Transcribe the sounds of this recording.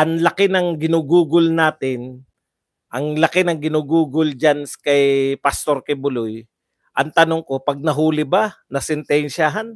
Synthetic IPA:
ʔɐŋlɐkɪnɐŋɡɪnuːɡuːɡʊlnaːt̪ɪn | ʔɐŋlɐkɪnɐŋɡɪnuːɡuːɡʊld͡ʒanskɐjpɐst̪o̞ɾkɛbʊloj | ʔɐŋt̪ɐnoŋko̞pɐɡ̚nɐɦuːlɪbanɐsɛnt̪ɛnʃaɦan

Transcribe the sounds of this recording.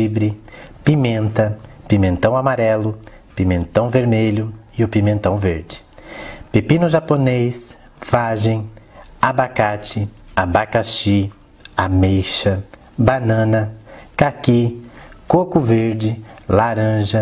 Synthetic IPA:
ibɾɪpimẽnt̪ɐpimẽnt̪ɐ̃w̃amaɾɛlʊ | pimẽnt̪ɐ̃w̃veɾmeʎʊɪʊpimẽnt̪ɐ̃w̃veɾd͡ʒɪ̥ | pepĩnʊʒaponejs | v̥aʒẽj̃abakat͡ʃɪabakaʃi | amejʃɐ | banɐ̃nɐkakikokʊveɾd͡ʒɪlaɾɐ̃ʒɐ

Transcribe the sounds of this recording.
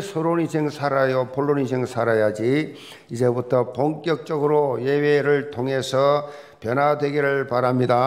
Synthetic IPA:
sʰoɾoɲisʰeŋsʰaɾajopoɭːoɲid͡ʑʰeŋsʰaɾajad͡ʑi | id͡ʑebutʰʌpoŋk͈jʌk̚t͡ɕ͈ʌɡɯɾoje̞weɾɯɭtʰoŋe̞sʰʌ | pjʌnadwe̞ɡiɾɯɭpaɾamɲida

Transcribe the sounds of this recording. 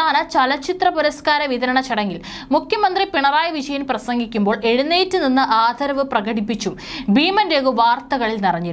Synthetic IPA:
aːnɐt͡ɕɐlɐt͡ɕːit̪rɐpuɾɐskaːɾɐʋiðɐɾɐɳɐt͡ɕɐɽɐŋɡil | mukʰjɐmɐnd̪ripiɳɐraːjɐʋid͡ʑɐjɐmprɐsɐŋɡikʲːumbo̞ːɭʔe̞ɻunːeːtːɨninːɨʔaːd̪ʱɐɾɐʋɨprɐɣɐɽipːit͡ɕːumbiːmɐndeːɣuʋaːrt̪ɐɣɐɭilnirɐɲːi

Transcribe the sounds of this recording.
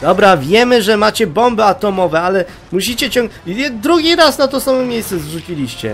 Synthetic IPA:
d̪ɔbɾavʲjɛmɘʐɛmat͡ɕɛbɔmbɘat̪ɔmɔvɛalɛ | muɕit͡ɕɛt͡ɕɔ̃ŋd̪ɾuɡʲiɾasnat̪ɔsamɔmʲjejssɛzʐut͡ɕilʲiɕt͡ɕɛ̰

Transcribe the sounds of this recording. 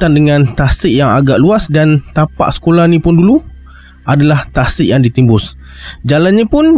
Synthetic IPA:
t̪andəŋãnt̪asɪʔjaŋa̰ɡaʔluasdant̪apa̰ʔsə̥kolahnĩpʊndulu | ʔadalaht̪asɪʔjaŋdit̪imbʊs | d͡ʒalanɲapʊn

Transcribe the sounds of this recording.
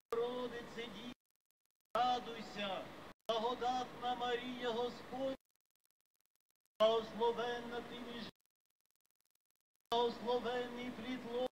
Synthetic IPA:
ɾɔd̪ɪsɛdʲi | ɑd̪ʊjsʲɐɐɦɔd̪ɑt̪nɐmɐɾʲijɐɦɔspɔ | ɐɦɔslˠɔʋɛnːɐpɾʲimʲiʒ | ɐɦɔslˠɔʋɛnːɪjpɾʲit̪lˠɔ

